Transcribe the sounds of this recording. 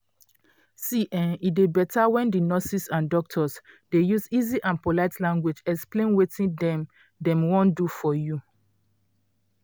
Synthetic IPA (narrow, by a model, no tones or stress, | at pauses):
siʔɛ̃nidebɛtʰawɛ̃ndinɔsisãndɔk̚tʰɔsdejuziziʔãnpolaɪtlãŋɡwed͡ʒɛksplẽnwetʰĩndɛ̃m | dɛ̃mwɔ̃ndufɔju